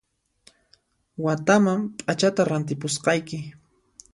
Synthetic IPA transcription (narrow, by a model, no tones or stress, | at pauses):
wat̪amampʼat͡ʃat̪aɾant̪ɪpʊsqɑjkɪ